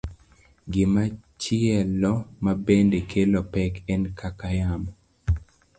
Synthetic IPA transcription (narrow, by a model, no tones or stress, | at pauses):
ɡɪmat͡ʃɪɛlɔmabendekʰelopɛkɛnkʰakajam